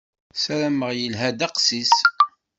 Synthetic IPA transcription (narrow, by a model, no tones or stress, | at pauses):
sæɾæməʁjəlɦæd̪æqsis